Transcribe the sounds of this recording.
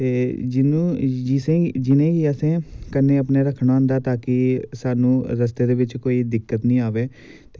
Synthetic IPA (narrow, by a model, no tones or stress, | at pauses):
t̪eːd͡ʒɪnũːd͡ʒɪsẽd͡ʒɪnẽːiːəsẽːkənẽːəpneːɾəkʰːɽ̃aãːnd̪aːt̪aːkɪsaːnũːɾəst̪eːd̪eːʋɪt͡ʃkoːiːd̪ɪkːət̪nĩːaːʋeː | t̪e